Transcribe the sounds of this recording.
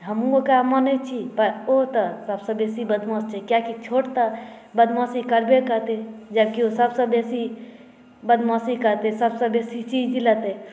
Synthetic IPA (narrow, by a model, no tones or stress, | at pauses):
ɦəmũokamənet͡ʃʰipəɾot̪əsɐbsəbeːsibəd̪mɔ̃st͡ʃʰɛkjakit͡ʃʰoːʈt̪a | bəd̪mɔ̃ːsikəɾbekəɾt̪ed͡ʒəb̚kiosəbsəbeːsi | bəd̪mɔ̃ːsikəɾt̪esəbsəbeːsit͡ʃiːd͡ʒlət̪e